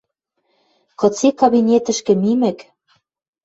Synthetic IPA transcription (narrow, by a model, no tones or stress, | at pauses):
kɤ̆t͡sekɑβinʲet̪ɘ̆ʃkɘ̆mimɘ̆k